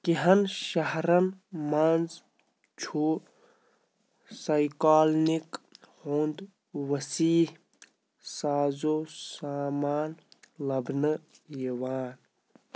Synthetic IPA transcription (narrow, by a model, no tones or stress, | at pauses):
kiɦɐnʃɐɦɾɐnmɐnz | t͡ʃʰu | sɐjkaːlnikhund̪ | ʋɐsiːh | saːzosaːmaːnlɐbnɨjiʋaːn